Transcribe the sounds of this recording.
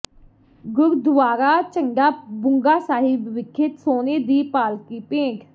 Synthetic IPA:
ɡʊɾd̪ʋaːɾaːt͡ʃəŋɡaːbʊŋɡaːsaːɦibʋɪkʰːɪt̪soːneːd̪iːpaːlkiːpẽːk

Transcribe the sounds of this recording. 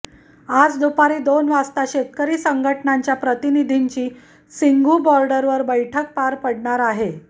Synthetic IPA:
ad͡zd̪upaɾiːd̪onʋast̪aɕet̪̚kəɾiːsəŋɡʱəʈnaɲt͡ɕjapɾət̪inid̪ʱiɲt͡ɕiː | siŋɡʱubɔɾɖəɾʋəɾbəjʈʰək̚paɾpəɽɳaɾaɦe

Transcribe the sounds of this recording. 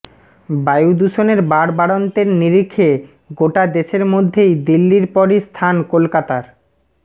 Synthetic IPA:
bajud̪uʃoneɾbaɽbaɽont̪eɾniɾikʰːe | ɡoʈad̪eʃeɾmod̪ʱːejd̪ilːiɾpɔɾist̪ʰankolkat̪aɾ

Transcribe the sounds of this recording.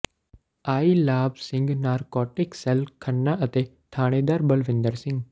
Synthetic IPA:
aːiːlaːbsɪ̃ŋɡnaːɾkɔːʈɪksɛlkʰənːaʔɐt̪e | t̪ʰaːɽ̃ẽːd̪aɾbəlʋɪ̃nd̪əɾsɪ̃ŋɡ

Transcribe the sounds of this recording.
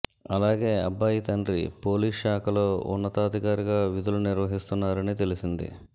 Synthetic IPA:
ɐlaːɡe̞ːɐ̰bːaːjit̪ɐnɖɾḭpo̞ːliːʂaːkɐlo̞ːṵnːɐt̪aːd̪ʱikaːɾiɡaːʋid̪uluniɾʋɐɦist̪unːaːɾɐnit̪e̞lisind̪ḭ

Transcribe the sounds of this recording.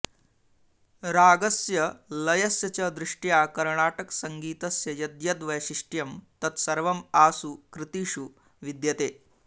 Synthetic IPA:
ɾaːɡɐsjɐlɐjɐsjɐt͡ʃɐd̪ɾiʂʈjaːkɐɾɳaːʈɐksɐŋɡiːt̪ɐsjɐjɐd̪jɐd̪ʋɐjʃiʂʈjɐmt̪ɐt̪sɐɾʋɐmaːsukɾit̪iːʂu | ʋid̪jɐt̪eː

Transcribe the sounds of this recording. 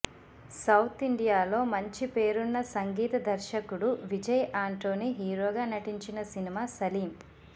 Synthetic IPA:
sɐwt̪ʰiɳɖijaːlo̞ːmɐɲt͡ʃipe̞ːɾunːɐsɐŋɡiːt̪ɐd̪ɐɾʃɐkuɽuʋid͡ʒɐjʔaːɳʈo̞ːniɦiːɾo̞ːɡaːnɐʈiɲt͡ʃinɐsinimaːsɐliːm

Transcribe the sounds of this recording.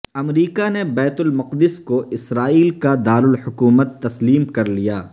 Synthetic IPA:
ɐmɾiːkanebɛːt̪ʊlmɐqd̪ɪskoʔɪsɾaːiːlkad̪aːɾʊlhʊkuːmət̪ːɐsliːmkɐɾlijaː

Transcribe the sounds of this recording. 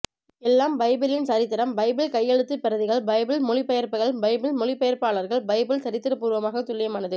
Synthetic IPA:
ɛlːaːmbɐɪbɪlɪnsɐɾɪt̪ːɐɾɐmbɐɪbɪlkɐjːɛɻɯt̪ːɯpɪɾɐðɪɣɐɭbɐɪbɪlmʊɻɪpːɐjɐɾpɯɣɐɭbɐɪbɪlmɔɻɪpɛjɐɾpaːɭɐɾɣɐɭbɐɪbɪlt̪ɐɾɪt̪ːɪɾɐpːuːɾʋɐmaːɣɐt̪ːʊlːɪjɐmaːnɐðɯ

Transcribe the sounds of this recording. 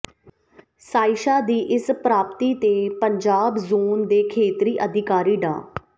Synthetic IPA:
saːɪʃaːd̪iːʔɪspɾaːpt̪iːt̪eːpəɲd͡ʒaːbzoːnd̪eːkʰeːt̪ɾiːʔəd̪ʱɪkaːɾiːɖa̰ː

